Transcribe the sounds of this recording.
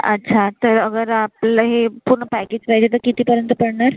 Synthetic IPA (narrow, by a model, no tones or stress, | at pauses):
ə̰tːɕʰat̪əɾəɡəɾaplaɦepuɾɳəpæked͡ʑkajd͡ʑet̪̬əɾkit̪iːpəɾjənt̪əpəɽɳaɾ